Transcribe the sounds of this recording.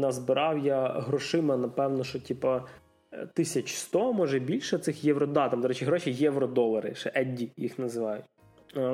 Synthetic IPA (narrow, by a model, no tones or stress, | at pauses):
nɑzbɪɾʔɑwjaɦɾɔʃɪmɐnɐpɛwnɔʃɔtʲipɐ | t̪ɪsʲɐt͡ʃst̪ɔmɔʒɛbʲilʲʃɛt̪sɪxjɛʋɾɔd̪ɑt̪ɑmd̪ɔɾɛt͡ʃɪɦɾɔʃijɛʋɾɔd̪ɔlˠɐɾɪ̰ʃɛʔɛdʲijixnɐzɪʋɑjʊtʲ